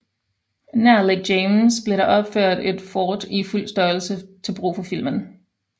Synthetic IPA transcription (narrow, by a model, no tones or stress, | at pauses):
næɐleɡ̚deɪmsb̥le̝ɾɑ̈ʔɒ̽b̥føɐ̰de̝d̥fɒːd̥iful̰sd̥ɶɐl̩sət͡sʰe̝lb̥ʁṵːfɒ̽fil̰mən